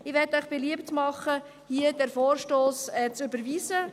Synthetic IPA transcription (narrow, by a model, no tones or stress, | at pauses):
ɪʋɛtœʏχb̥ɛliəptmɑχə | hiədɛɾfoːɾʃtoːsɛːt͡søbəɾviːsə